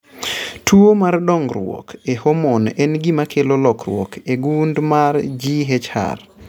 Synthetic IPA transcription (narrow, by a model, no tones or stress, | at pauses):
tʰuomardɔŋɡɾwɔ̰kehomɔnɛnɡimakʰelolɔkɾwɔ̰kʰeɡundmaɾd͡ʒiɦet͡ʃha̰r